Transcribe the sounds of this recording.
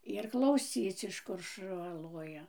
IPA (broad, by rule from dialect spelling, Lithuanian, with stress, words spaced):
ɪr klˠɐʊˈsʲiːt͡s ɪʃ ˈkʊr ʃʊˈʋɐ ˈlˠoːjɛ